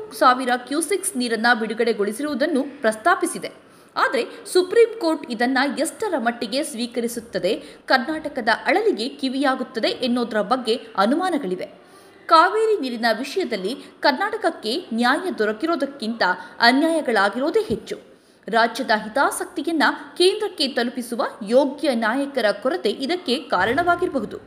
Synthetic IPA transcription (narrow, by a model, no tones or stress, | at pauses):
saːʋiɾɐkjuːsiksniːɾɐnːɐbiɽuɡɐɽe̞ɡo̞ɭisiɾuʋud̪ɐnːupɾɐst̪aːpisid̪e̞ | aːd̪ɐɾe̞supɾiːmko̞ːɾʈid̪ɐnːɐjesʈɐɾɐmɐʈːiɡe̞sʋiːkɐɾisut̪ːɐd̪e̞kɐɾnaːʈɐkɐd̪ɐʔɐɭɐliɡe̞kiʋijaːɡut̪ːɐd̪e̞ʔenːoːd̪ɐɾɐbɐɡːe̞ɐnumaːnɐɡɐɭiʋe̞ | kaːʋeːɾiniːɾinɐʋiʂɐjɐd̪ɐlːikɐɾnaːʈɐkɐkːe̞njaːjɐd̪ɔɾɐkiɾo̞ːd̪ɐkːint̪ɐɐnjaːjɐɡɐɭaːɡiɾo̞ːd̪eɦet͡ʃːu | ɾaːd͡ʒjɐd̪ɐɦit̪aːsɐk̚t̪ijɐnːɐkeːnd̪ɾɐkːe̞t̪ɐlupisuʋɐjoːɡjɐnaːjɐkɐɾɐkɔɾɐt̪e̞ʔid̪ɐkːe̞kaːɾɐɳɐʋaːɡiɾɐbɐɦud̪u